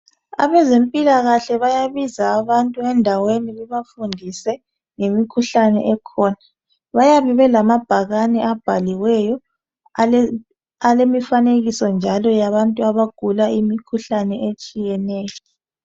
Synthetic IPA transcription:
a̰βɛzempʼilaɣaɬɛβajaβizaːβantʼuɛndʱaweniɣuβafundʱisɛ | ŋemikʰuɬanɛ̰ʔɛkʰɔːna | βajaβɛβɛlamab̥ʱaɣanɛab̥ʱaliwɛjɔ | alemifaneɣisɔnd͡ʒʱalɔjaβantʼuaβaɡ̥ʱulaimikʰuɬanɛʔet͡ʃʼijɛnɛːjɔ

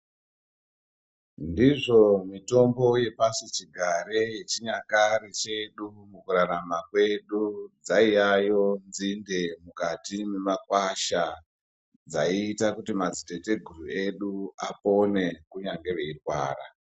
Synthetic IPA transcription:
ndiʐo̞mito̞mbo̞je̞pasit͡ʃiɡʱaɾejet͡ʃiɲakarit͡ʃe̞ɗumukuɾaɾamakwe̞ɗud͡zaijajo̞nzinde̞mukatimemakwaʃa | d͡zaiːtakutimazitete̞ɡʱurue̞ɗuapo̞ne̞kuɲaŋɡe̞ʋe̞irwaːra̰

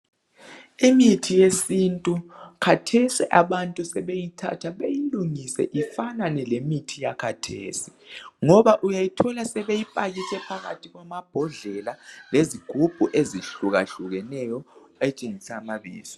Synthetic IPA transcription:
imitʰijesintʼukʰatʰɛsiʔaβantʼusɛβejitʰa̰tʰaɓejiluŋisɛ̰ʔifananɛlemitʰijakʰatʰḛːsi̥ŋɔβaʔujajitʰɔlasɛβejipʼaɣisɛpʰaɣa̰tʰiɣwamab̥ʱɔɮɛlaleziɡ̥ʱub̥ʱuʔeziɬuɣaɬuɣɛnɛjɔ | ɛt͡ʃʼeŋisamaβḭːzɔ̥

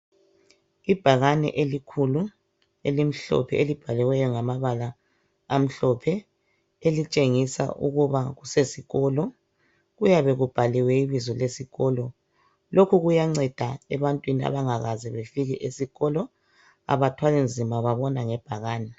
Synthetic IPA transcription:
ib̥ʱaɣanɛ̰ʔelikʰulu | elim̩ɬɔ̰pʰɛelib̥ʱalɛwɛjɔŋamaβalaː | m̩ɬɔpʰɛ | elit͡ʃʼeŋisa̰ʔṵɣuβaɣusesiɣɔlɔ | ɣujaβɛɣub̥ʱaliwɛiβizɔlesiɣɔlɔ | lokʰuɣujaŋ͡ǀɛd̥ʱaɛβantʼwinia̰βaŋaɣazɛβefiɣiʔesiɣɔlɔ | a̰βatʰwalind͡zʱimaβaβɔnaŋɛb̥ʱaɣaːnɛ

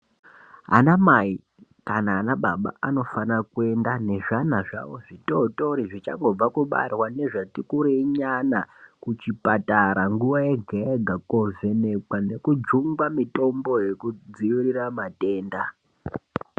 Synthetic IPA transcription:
ɦa̰namai | kanaːnaɓaɓa̰ano̞fanakue̞ndane̞ʐanaʐa̰wo̞ʐitoto̞ɾiʐit͡ʃa̰ŋɡo̞b͡vakuɓa̰rwane̞ʐatikuɾeɲanakut͡ʃipataɾaŋɡuʋajeɡʱeeɡʱako̞ve̞ne̞kwane̞kud͡ʒuŋɡwamito̞mbo̞je̞kud͡ziiriramate̞ːnda

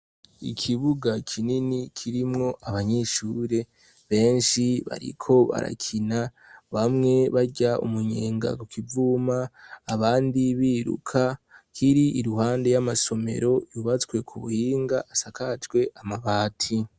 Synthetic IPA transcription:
ḭkʰiβuɡakʰininikʰiɾimŋo̞ʔaβaɲeʃuːɾe̞ | βe̞ːnʃiβa̰ɾḭkʰo̞βa̰ɾa̰kʰina | βamŋe̞βaɟaṵmuɲe̞ːŋɡa̰kukivuːmaːβaːndiβiːɾṵkʰakʰiɾiʔiɾuhaːnde̞jamaso̞me̞̰ɾo̞juβat͡swe̞kʰuβṵhiːŋɡaʔasakat͡ʃɡwe̞ʔamaβaːtʰi

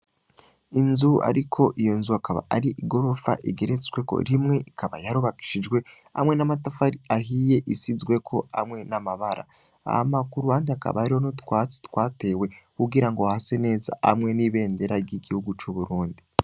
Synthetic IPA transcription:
inzua̰ɾikʰo̞ʔijo̞nzuakaβa̰ʔaɾiʔiɡo̞ɾofa̰ʔiɡe̞ɾet͡swe̞ko̞̰ɾimŋe̞ikʰaβajaɾuβaki̥ʃid͡ʒɡwe̞ | a̰mŋe̞namatafaɾiaɦije̞ʔisizɡwe̞kʰo̞a̰mŋe̞namaβaɾa̰ | a̰makuɾuaːndiaka̰βaaɾiho̞notwae̥twaːte̞we̞kuɡiɾaŋɡohase̞ne̞ːza̰a̰mŋe̞niβe̞ːnde̞ɾaɾɟiɡihuɡut͡ʃuβuɾuːndi

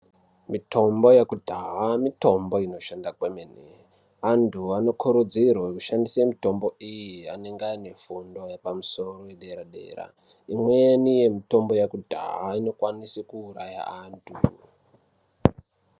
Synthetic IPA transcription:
mitʰo̞mbo̞jekudʱaɦamito̞mbo̞ino̞ʃandakwemenḛ | antʰuano̞kʰuɾud͡zirwauʃandisemito̞mbo̞ijiane̞ŋɡaine̞fundo̞jepamuso̞ro̞jeɗeɾaɗḛːra̰ | imwenije̞mito̞mbo̞jakudʱa̰ɦaino̞kwanisikuːɾaja̰aːntʰu

